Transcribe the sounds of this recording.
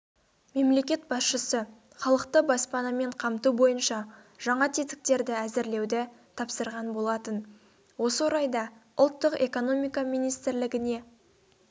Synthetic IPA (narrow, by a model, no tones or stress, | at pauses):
me̞mle̞kʲe̞t̪̚bɑsʃəsə | χɑlˠəqt̪əbɑspɑnɑme̞ɴqʰɑmt̪ubo̞jənʃɑ | ʒ̥ɑɴɑt̪ʰet̪ɪ̥k̚t̪e̞ɾd̪ɪæzɪɾle̞wd̪ɪt̪ʰɑpsəɾʁɑnbo̞lˠɑt̪ən | wo̞səwoɾɑjd̪ɑʊlˠt̪ːəqe̞ko̞no̞mijkɑmijnijst̪ɪɾlɪɡʲɪne̞